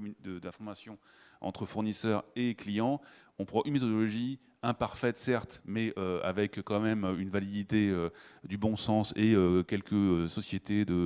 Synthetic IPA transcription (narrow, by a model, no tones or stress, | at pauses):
d̪əd̪ɛ̃fɔʁmasjɔ̃ | ɑ̰̃t̪χəfuʁnisœʁeklijɑ̃ | ɔ̃pχɑ̃ʔynmet̪ɔd̪ɔlɔʒi | ɛ̃paʁfɛt̪sɛʁt̪mɛøa̰vɛkkːɑ̃mɛmøynvalid̪it̪eød̪ybɔ̃sɑ̃seøkʲɛlkəøsɔsjet̪ed̪ə